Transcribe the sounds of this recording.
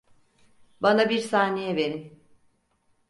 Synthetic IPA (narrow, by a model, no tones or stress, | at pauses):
banabiɾsaːnejɛve̞ɾin